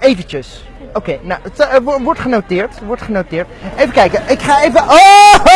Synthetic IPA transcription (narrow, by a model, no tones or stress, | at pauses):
ejvəncəs | owkejnawətʋɔʋɔɹtχənowtɪːɹtʋɔɹtχənowtɪːɹtejvəkɛjkəʔɪkχaːejvəʔo